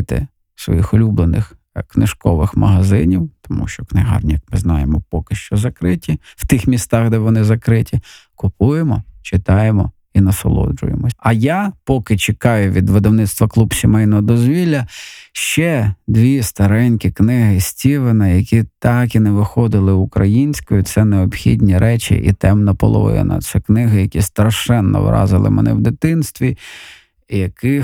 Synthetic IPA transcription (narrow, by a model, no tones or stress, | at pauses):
t̪ɪ̰ | sʋɔ̰jixʊlʲublenʔɪ̰x | knɪ̰ʃkɔʋɪxmɐ̰ɦɐzɪnʲiwt̪ɔmṵʃt͡ʃɔknɪɦɑ̰rnʲjɐkmɪznɑjemɔpɔkɪʃt͡ʃɔzɐkɾɪtʲiw̥t̪ɪxmʲist̪ɑɣd̪ɛʋɔnɪzɐkɾɪtʲikʊpujemɔt͡ʃɪt̪ɑjemɔ̰ | inɐsɔ̰lˠɔ̰d͡ʒʊ̰jḛmɔɐjapɔkɪt͡ʃekɑjʊʋʲid̪ʋɪd̪ɐwnɪt̪st̪ʋɐklˠubsʲimɛjnɔɦɔd̪ɔzʲʋʲilʲːɐʃt͡ʃɛd̪ʋʲist̪ɐɾɛnʲkʲɪknɪɦɪsʲtʲiʋɪnɐjɐkʲit̪ɑkinɛʋɪxɔd̪ɪlˠɪʊkɾɐjinʲsʲkɔjʊt̪sɛneɔbxʲidʲnʲiɾɛt͡ʃḭʔḭt̪ɛmnɐpɔ̰lˠɔ̰ʋɔ̰jɛ̰nɐ̰t̪sɛknɪɦɪjɐkʲist̪ɾɐʃɛnːɔ̰ʋ̰ɾɑ̰zɪ̰lˠɪ̰mɛ̰nɛ̰wd̪ɪt̪ɪnst̪ʋʲi | jɐkɪ